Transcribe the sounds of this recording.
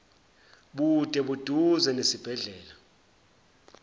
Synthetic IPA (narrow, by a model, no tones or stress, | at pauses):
ɓud̥ʼʱɛɓud̥ʱuzɛnesib̥ʱɛɮɛːla